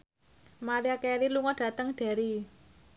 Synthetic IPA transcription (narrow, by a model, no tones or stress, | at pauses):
maɾiakɛɾiluŋɔɖ̥ä̤t̪əŋɖ̥a̤ɾi